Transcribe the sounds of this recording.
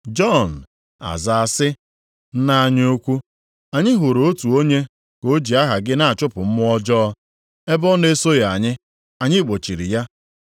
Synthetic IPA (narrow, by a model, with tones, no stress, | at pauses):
d͡ʒɔ˦˨n̩˨ | a̰˨za˨a˨sɪ˦ | n̩˦na˦a˦˨ɲ˦o˦kʷu˦ | a˨ɲɪ˦ɦʊ˨ɾo˦tu˨o˦ɲe˦ | ko˦d͡ʒi˨a˦ɦa˨ɡɪ˦na˨a˨t͡ʃʊ˦pʊ˨m̩˦mʊ˦ɔ˦d͡ʒɔː˦ɔ˦ | e˦bɔ˦ne˦so˦ja˨a˨ɲɪ˦ | a˨ɲɪ˦k͡po˨t͡ʃi˨ɾḭ˨ja˦